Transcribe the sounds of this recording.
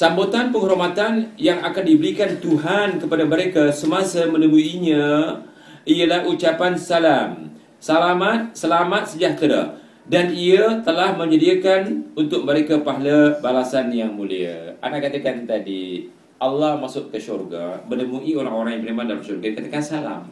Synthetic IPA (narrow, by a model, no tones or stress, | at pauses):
sambut̪anpəŋɦoɾomat̪anjaŋakandibəɾikant̪uɦankəpadaməɾekasəmasamənəmuiɲã | ʔijalahut͡ʃapansalam | salamat̪̚səlamat̪̚səd͡ʒaht̪ɾa̰ | daniat̪əlahmə̃ɲd͡ʒədiakanunt̪ʊk̚məɾekapaɦlabalasanjaŋmulia̰ʔa̰naʔkat̪akant̪adḭ | alːahmasʊʔkəʃurɡa̰mənəmuioɾaŋoɾaŋjaŋpəlimandalamʃurɡadikat̪akansala̰m